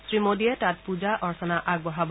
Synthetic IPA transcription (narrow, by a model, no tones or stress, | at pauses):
sɹimodiɛtat̚pud͡ʒaʔɔɹsɔnaʔaɡ̚bɔɦab